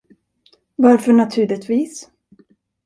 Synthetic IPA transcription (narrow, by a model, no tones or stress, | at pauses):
vaɾfœɳat̪ʰʉ̟ːɭɪt̪viːs